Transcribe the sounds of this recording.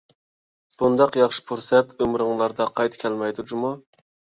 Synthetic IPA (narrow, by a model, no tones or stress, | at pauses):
b̥und̪ɑqjɑχʃi̥pʰuɾsɛt̪ʰømɾɨŋlˠɑɾd̪ɑqʰɑjt̪ʰkʲʰɛlmɛjd̪ud͡ʒumu